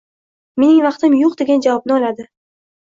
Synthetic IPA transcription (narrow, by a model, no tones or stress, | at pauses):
me̞nɪŋvɑqt̪ʰɪmjoqd̪e̞ɡʲand͡ʒavɒb̚nɪɒlad̪ɪ